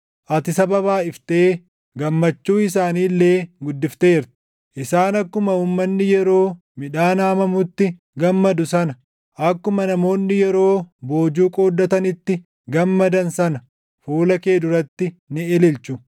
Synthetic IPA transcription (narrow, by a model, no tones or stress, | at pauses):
ʔɐt̪ɪsɐbɐbaːɪft̪eː | ɡɐmːɐt͡ʃːuːɪs̬aːniːlːe̞ːɡʊd̪ːɪft̪e̞ːɾt̪ | ʔɪsaːnɐkːʊmɐuːmːɐnːɪjɛɾo̞ː | mɪᶑaːnaːmɐmʊt̪ːɪ | ɡɐmːɐd̪ʊsɐnɐ | ʔɐkːʊmɐnɐmo̞ːnːɪjɛɾo̞ːbo̞ːd͡ʒuːkʼo̞ːd̪ːɐt̪ɐnɪt̪ːɪ | ɡɐmːɐd̪ɐnsɐnɐ | fuːlɐke̞ːd̪ʊɾɐt̪ːɪnɪɛlɪlt͡ʃʊ